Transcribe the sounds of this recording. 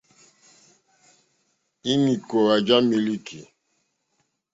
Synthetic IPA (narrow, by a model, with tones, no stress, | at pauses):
i˦mi˨ko˨ɾa˨d͡ʒa˦mi˨li˦kʰi˨